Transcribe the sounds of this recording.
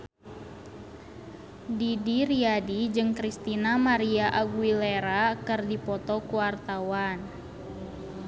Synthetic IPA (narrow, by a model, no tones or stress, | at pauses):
didiɾiadid͡ʒɨŋkɾist̪inamaɾiaʔaɡuileɾakɨrdipɔt̪ɔkuwart̪awan